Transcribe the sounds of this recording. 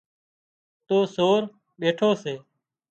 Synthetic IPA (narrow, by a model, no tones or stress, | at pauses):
t̪oːsoːɾ | ɓeːʈʰoːseː